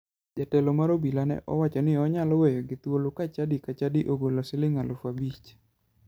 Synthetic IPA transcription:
d͡ʒatɛlɔmaɾobilanɛ̰ʔɔ̰wat͡ʃɔnɪɔɲalɔwejɔɡɪt̪wolokat͡ʃadikat͡ʃadiʔoɡolosɪlɪŋalofabit͡ʃ

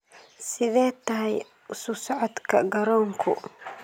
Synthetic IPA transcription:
sɪðɛːt̪ɐɦɛj | ʊsʊsɔʕɔd̪kʰɐɡɐɾɔːŋkʰʊ

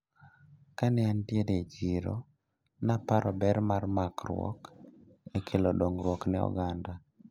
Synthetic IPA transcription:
kanɛantjeded͡ʒiɾɔ̰ | napaɾʔɔbɛɾmarmakɾwɔ̰k | ekʰelodoŋɾwɔknɛɔ̰ɡanda

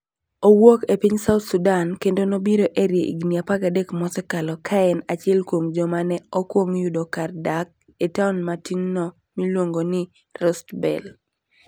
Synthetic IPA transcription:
owokepiɲsaʊt̪sudankendonobiɾoʔeɾjeʔḭɡniapakadekmɔsɛkalɔkʰaɛnat͡ʃɪɛlkwomd͡ʒɔmanɛɔkwoŋjudɔkardak̚ | etaʊnmatinnɔ | milwoŋɡonɪ | rɔstbɛ̰l

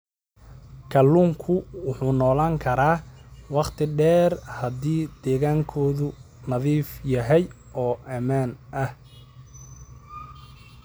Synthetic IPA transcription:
kʰɐlːuːŋkʰʊwʊħuːnɔːlaːŋkʰɐɾaːwɑqt̪ʰɪɖɛːrhɐd̪iːd̪̥ɛːɣaːŋkʰɔːðʊ | nɐðiːfjɐɦɛj | ʔɔːʔɐmaːnʔɐh

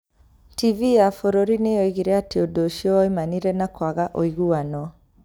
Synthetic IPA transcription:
tivijafɔɾoɾinejɔiɣiɾɛatiɔdoʃiɔimaniɾɛnakwaɣaʔoiɣuanɔ

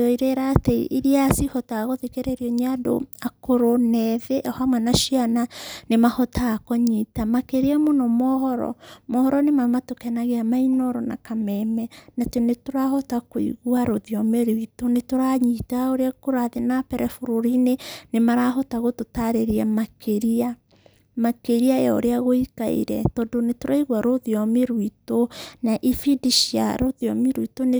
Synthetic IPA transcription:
iɾeɾatɛḭʔiɾiasihɔtaɣoðekeɾeɾiɔɲado̰akoɾonɛðeʔɔhamwɛnaʃiananemahɔtaːkɔɲitamakeɾeɛmonɔmɔhɔɾɔ̰mɔhɔɾɔnemamatokɛnaɣeamainɔɾɔna̰kamɛmɛnatonetoɾahɔtakoḭɣwaɾoðiɔmeɾuitonetoɾaɲitaoɾeakoɾaðenapɛɾɛfoɾoɾinenemaɾaɦɔtaɣototaɾeɾiamakeɾia | makeɾiajɔo̰ɾeaɣoika̰ḭɾɛ̰tɔdonetoɾaiɣwaɾoðiɔmeɾwitonaʔifidiʃia̰ɾoðiɔmeɾuitone

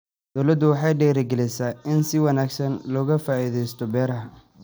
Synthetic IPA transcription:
d̪̥ɔwlɐd̪ːʊwɑħɑjɖɛːɾɪɡɛlɛjsaːɪnsɪwɑnaːɡsɐnlɔːɣɐfaːiːðɛjst̪ʰɔbɛːɾɐɦɐ

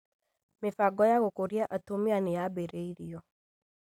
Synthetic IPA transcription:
mɪfaɡɔjaɣokoɾiaʔatomianejabeɾeiɾiɔ

